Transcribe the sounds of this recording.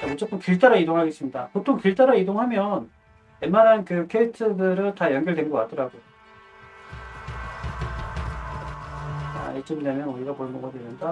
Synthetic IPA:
t͡ɕamut͡ɕ͈ʌp͈ʰɯnkiɭt͈aɾaidoŋɦaɡe̞s͈ɯmɲida̰potʰoŋkiɭt͈aɾaidoŋɦamjʌn | emanankɯkʰeitʰɯdɯɾɯɭtajʌnɡjʌɭdwenɡʌkat͈ʌɾaɡo | a̰et͡ɕ͈ʌmidamjʌnuɾiɡaponɡoɡadwemʌnda

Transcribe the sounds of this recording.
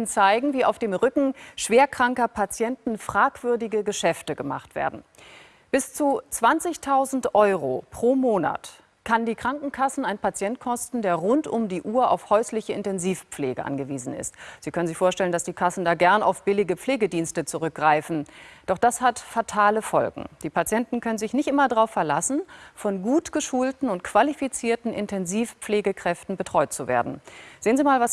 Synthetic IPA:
nt͡saɪɡŋ̩viːa̰ʊfd̥eːmʁʏkŋ̩ʃv̥eːɐkʁ̥aŋkɐpʰat͡sjɛntn̩fʁ̥aːkv̥ʏɐdɪɡəɡəʃɛftəɡəma̰χtv̥ḛːɐdn̩ | b̥ɪst͡sut͡sv̥ant͡sɪçtʰaʊzn̩tʔɔʏʁo̰pʁ̥oːmoːna̰t | kʰandiːkʁ̥aŋkŋ̩kʰasn̩aɪnpat͡sjɛnt̚kʰɔstn̩deːɐʁʊntʊmdiːʔuːɐa̰ʊfhɔʏslɪçəɪntɛnziːfp͡fleːɡəʔa̰nɡəviːzn̩ɪ̰stz̥iːkœnənzɪçfoːɐʃtɛləndasd̥iːkʰasn̩daːɡɛɐna̰ʊfb̥ɪlɪɡəp͡fleːɡədiːnstət͡suʁʏk̚ɡ̥ʁaɪfn̩d̥ɔχd̥ashatfatʰaːləfɔ̰lɡŋ̩d̥iːpat͡sjɛntn̩kʰœnənzɪçnɪçtʔɪmɐdʁaʊfɛɐla̰sn̩fɔnɡuːtɡ̥əʃuːltn̩ʊnt̚kv̥alifit͡siːɐtn̩ʔɪ̰ntʰɛnziːfpp͡fleːɡəkʁ̥ɛftn̩bətʁ̥ɔʏtt͡suvḛːɐdn̩z̥eːənziːmaːlvas

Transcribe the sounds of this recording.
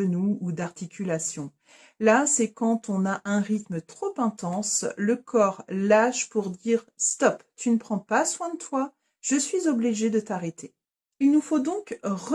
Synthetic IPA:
ənuːd̪aʁt̪ikʲylasjɔ̃ | lasɛkɑ̃t̪ɔ̃naʔɛ̃ʁit̪mət̪χopɛ̃t̪ɑ̃sləkʰɔʁlaʃpuʁd̪iʁst̪ɔpt̪ynəpχɑ̃paswɛ̃d̪ət̪wa | ʒ̥əsɥizɔbliʒed̪ət̪aʁet̪ʰe | ilnufod̪ɔ̃kʁ

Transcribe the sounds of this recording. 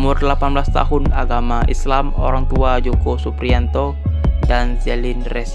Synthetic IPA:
mʊrlapanblast̪a̰ɦʊnaɡamaʔislamo̰ɾaŋt̪uad͡ʒokosupɾiant̪o | dansɛlɪnrɛs

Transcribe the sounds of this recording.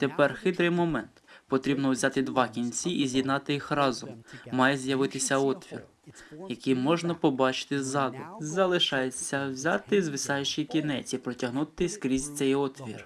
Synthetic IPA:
t̪epɛrxɪt̪ɾɪjmɔmɛnt̪pɔt̪ɾʲibnɔwzʲɑt̪ɪd̪ʋɑkʲinʲt͡sʲiʔːzʲjid̪nɑt̪ɪjixrɑzɔmːɑjezjɐʋɪt̪ɪsʲɐɔt̪ʋʲḭr | jɐkijmɔʒnɐpɔbɑt͡ʃɪ̥t̪ɪzɑd̪ʊzɐlˠɪʃɑjet͡sʲːɐwzʲɑt̪ɪzʋɪsɑjʊt͡ʃijkʲinɛt͡sʲipɾɔtʲɐɦnut̪ɪskɾʲizʲt̪sʲɛjɔt̪ʋʲir

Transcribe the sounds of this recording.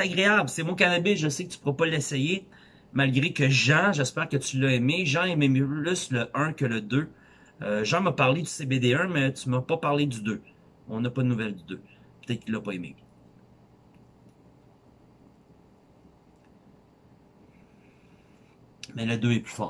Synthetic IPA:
st̪aɡʁeablsɛmɔ̃k̬anabeʒəsekət̪y̥puʁɛpɔlːɛsɛje | malɡʲʁekʲəʒãʒɛspɛːʁkət̪ylːɐemeʒãememplysləʔœ̃kʲələd̪ø | øʒɑ̃mɐpaʁled̪y̥sebed̪eɛ̃mɛt̪ymapɐpaʁled̪yd̪ø | ɔ̃napɐd̪ənuvɛld̪əd̪øpət̪ɛt̪̚kʲilːɐpɔemḛ | mɛləd̪øɛply̥fɑ̰ː

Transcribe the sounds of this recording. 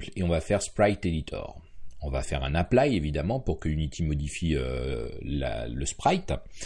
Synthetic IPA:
pleɔ̃vafɛʁspχajt̪ed̪it̪ʰɔ̰ʁɔ̃va̰fɛʁɛ̰̃naplajevid̪amɑ̃puʁkəynit̪ʰimɔd̪ifiø̰la̰ləspχajt̪

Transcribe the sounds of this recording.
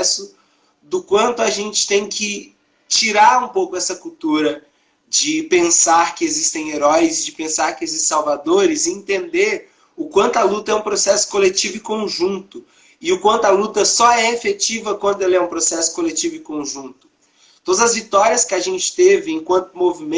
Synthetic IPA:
sʊ | d̪ʊkwɐ̃nt̪ʊaʒẽnt͡ʃɪ̥t̪ẽj̃kɪ | t͡ʃiɾaɾũpowkʊɛsɐkuwt̪uɾɐ | d͡ʒɪpẽsaɾkɪezist̪ẽj̃eɾɔjzɪd͡ʒɪpẽsaɾkɪezissawvad̪oɾɪzɪẽt̪ẽnd̪eɾ | ʊkwɐ̃nt̪ʊɐlut̪ɐɛũpɾosɛsʊ̥kolet͡ʃivʊɪkõʒũnt̪ʊ | ɪʊkwɐ̃nt̪ʊalut̪ɐsɔɛefet͡ʃivɐkwɐ̃nd̪ʊɛlɛũpɾosɛsʊ̥kolet͡ʃivʊɪkõʒũnt̪ʊ̥ | t̪od̪ɐzɐzvit̪ɔɾiɐskɪaʒẽnt͡ʃɪ̥t̪evɪẽkwɐ̃nt̪ʊmovim̃

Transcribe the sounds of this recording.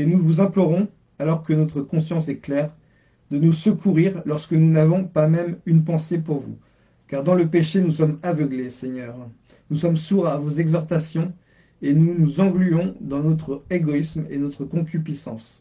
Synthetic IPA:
enuvuzɛ̃plɔʁɔ̃ | alɔʁkənɔt̪χəkɔ̃sjɑ̃sɛklɛʁ | d̪ənusəkuʁiʁlɔʁskənunavɔ̃pamɛmynpɑ̃sepuʁvṵ | kaʁd̪ɑ̃ləpeʃenusɔmavəɡlesɛɲœːʁ | nusɔmsuʁavozɛɡzɔʁt̪asjɔ̃ | enunuzɑ̃ɡlyɔ̃d̪ɑ̃nɔt̪χeɡɔismenɔt̪χəkɔ̃kʲypisɑ̃s

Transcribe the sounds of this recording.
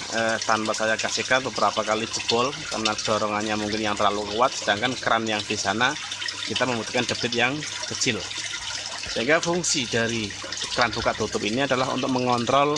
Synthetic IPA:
ət̪anpasajakasɪkan̚bəbəɾapakali̥d͡ʒəb̥ɔlka̰rnad̥ɔɾɔŋanɲamuŋkɪnjaŋt̪ərlalukuat̪̚sədaŋkankɾanjaŋd̥isanakit̪aməmbut̪u̥kandə̤bɪt̪̚jaŋ | kət͡ʃɪl | səɦiŋɡafuŋsidaɾi | kəɾanbukaʔt̪ut̪ʊpiniadalaɦṵnt̪ʊk̚məŋɔnt̪ɾɔl

